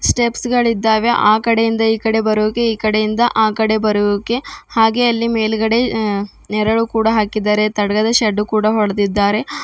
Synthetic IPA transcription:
sʈepsɡɐɭid̪ːaːʋe̞ʔaːkɐɽejind̪ɐiːkɐɽe̞bɐɾuʋukːeiːkɐɽejind̪ɐʔaːkɐɽe̞bɐɾuʋukːe̞haːɡe̞ɐlːimeːlɡɐɽe̞ | nɛɾɐɭukuːɽɐɦaːkid̪ːaːɾe̞t̪ɐɽɐɡɐd̪ɐʃɐɖːukuːɽɐɦɔɭɐd̪id̪ːaːɾe̞

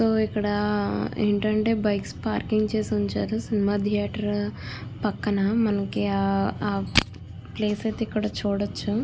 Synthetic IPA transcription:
soːikːɐɽɐḛːɳʈɐɳʈe̞ːbɐjkspaːɾkiŋɡt͡ʃeːsiuɲt͡ʃaːɾusinimaːt̪ijaːʈɐɾpɐkːɐnɐmɐnɐkiaːaː | pleːseːt̪ikːɐɽɐt͡ʃuːɽɐt͡ʃːu

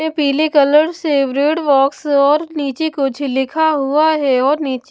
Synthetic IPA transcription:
epiːlekɐləɽseːbɾeːʈʋɔːksɔːɾniːt͡ʃekʊt͡ʃʰlɪkʰaɦuaɦɛɔːɾniːt͡ʃ

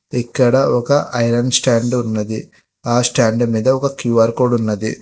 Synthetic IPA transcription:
ikːɐɽɐɔkɐʔɐjlɐɳɖsʈaːɳɖunːɐd̪i | aːsʈaːɳɖmiːd̪ɐɔkɐkjuːʋaːɾkoːɖunːɐd̪i

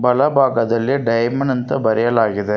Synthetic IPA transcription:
bɐlɐbaːɣɐðɐleːɖɐɪmɐɳɐnt̪ɐbɐɾɪjɐlaːɣɪðɐ

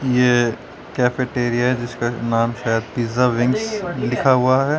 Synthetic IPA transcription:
je | kɛːfeʈeːɾijaɦɛd͡ʒɪskanaːmʃaːjəd̪̚piːzaʋɪ̃ŋɡslɪkʰaɦʊaɦɛ

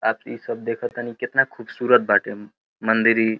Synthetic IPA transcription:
aːpḭːsəb̚d̪ekʰət̪anikɪt̪nakʰuːbsuːɾət̪̚baʈe | mənd̪iɾi

